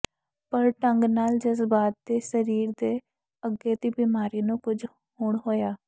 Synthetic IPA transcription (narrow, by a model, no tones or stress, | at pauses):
pəɾʈəŋɡnaːld͡ʒəsbaːt̪̚d̪eːsəɾiːɾd̪eː | əɡeːt̪iːbiːmaːɾiːnũːkʊd͡ʒ | hoːɳɦoːjaː